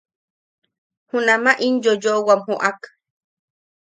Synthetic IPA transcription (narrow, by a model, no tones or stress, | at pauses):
hunamaʔinjojowamhuʔak